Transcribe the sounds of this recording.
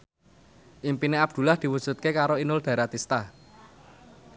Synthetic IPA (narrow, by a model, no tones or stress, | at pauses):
ʔimpineab̚d̪̥ṳlahd̪̥i̤wu̥ʒ̥ṳt̪̚kekaɾoinʊld̪̥a̤ɾat̪ist̪a